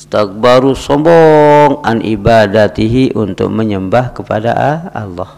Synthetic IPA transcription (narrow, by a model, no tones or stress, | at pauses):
st̪ak̚baɾusɔmbɔŋanʔibadat̪iɦiʔunt̪ʊ̰k̚məɲəmbahkəpada̰ʔaa̰lːɔh